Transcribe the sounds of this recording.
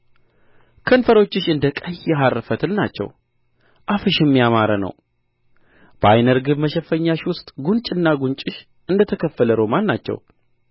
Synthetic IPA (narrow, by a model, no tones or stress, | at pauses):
kʰənfəɾo̞t͡ʃːɪʃɨnd̪əkʼəjjɛɦarːəfət̪ʰɨlnat͡ʃːɛ̰w | ʔafəʃjɛmːijamaɾənə̰w | b̥əa̰jnəɾɡɨβməʃɛfəɲːaʃwʊst̪ʼɡunt͡ʃʼɪnːaɡunt͡ʃʼɪʃ | ʔɨnd̪ət̪ʰəkʰəfːələɾomanːat͡ʃːɛ̰w